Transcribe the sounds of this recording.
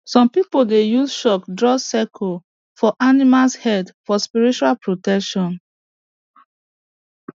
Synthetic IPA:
sɔ̃mpipoldejusʃɔkdɹɔsɛkʰo | fɔʔanimalshɛtfɔspiɹit͡ʃualpɹotɛkʃɔ̃n

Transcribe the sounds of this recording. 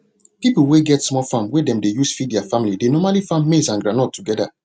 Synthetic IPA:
pipuweɡɛtsmɔlfãmwedɛ̃mdejusfid̚dɛafamilidenɔmalifãmmesãnɡɹanɔtʰːuɡɛda̰

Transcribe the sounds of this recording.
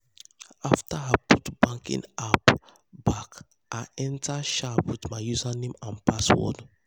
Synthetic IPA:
aftaaputb̥ãŋkḭ̃nap | bak | ʔaʔɛ̃ntaʃapwitmaɪjuzanẽmãnpʰaswɔ̰d

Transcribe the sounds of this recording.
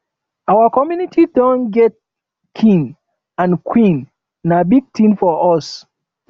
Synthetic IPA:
awəkɔmjunitʰidɔ̃nɡɛt̚ | kʰĩŋ | ãnkʰwĩn | nabiɡ̚tʰĩnfɔʔɔs

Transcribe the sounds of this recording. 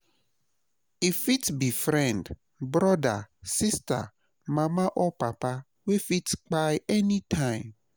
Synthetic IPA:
ifitbifɾɛ̃nd | bɾɔda̰sista̰ | mãmãʔɔpapa | wefitk͡pajɛnitʰãɪ̃m

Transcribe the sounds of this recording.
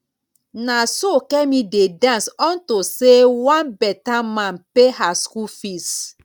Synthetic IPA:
nasokɛmĩdedãnsɔ̃ntosewãnbɛtamãnpehaskufis

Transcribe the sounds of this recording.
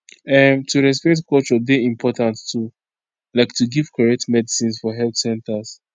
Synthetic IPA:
ɛmtʰuɹɛs̬pɛk̚tkɔlt͡ʃɔdeĩmpʰɔtãnttu | laɪktuɡivkʰaɹɛk̚tmɛdisĩnsfɔɦɛlθsɛ̃ntəs

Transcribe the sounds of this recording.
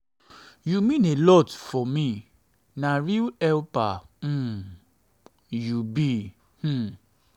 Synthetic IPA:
jumĩnelɔtfɔmĩ | nãɾiɛlpã | jubĩ

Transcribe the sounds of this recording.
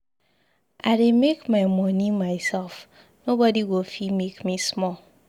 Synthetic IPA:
ʔaɾemekmaɪmɔnimaɪsɛlf | nobɔdiɡofimekmismɔl

